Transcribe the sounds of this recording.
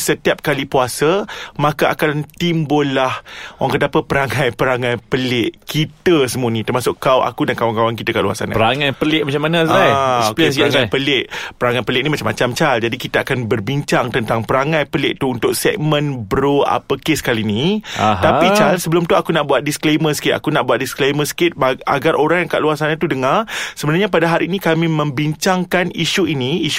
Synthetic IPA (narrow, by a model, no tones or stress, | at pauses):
sət̪iap̚kalipuasəmãkaʔakant̪imbʊlːahwʔaŋkədapəpəɾaŋãjpəɾaŋãjpəlɪʔkit̪əsəmuanĩt̪ərmasʊʔkawʔa̰kudankawaŋkawaŋkit̪əkaʔlua̰sa̰na̰pəɾaŋajpəlɪʔmat͡ʃamːanə̃aksaŋapəlɪʔpəɾaŋajpəlɪʔ̚nimat͡ʃamːat͡ʃamt͡ʃald͡ʒadikit̪aakanbərbiɲt͡ʃaŋt̪ənt̪aŋpəɾaŋãjpəlɪʔ̚t̪uunt̪ʊk̚sɛɡ̚mə̃nbɾoa̰pəkesə̥kaliniat̪apit͡ʃalsəbəlʊmt̪uakunaʔbuat̪̚diskleməsi̥kɪt̪a̰kunaʔbuat̪̚diskleməsi̥kɪt̪̚baa̰ɡarʔoɾaŋjaŋka̰ʔluarsanat̪udəŋarsəbənarɲapadaɦaɾinikamĩmə̃mbiɲt͡ʃaŋkaniʃuiniiʃ